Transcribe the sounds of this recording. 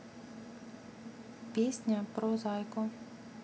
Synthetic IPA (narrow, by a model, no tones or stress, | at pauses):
pjeːsɲapɾɔzaːjkɔ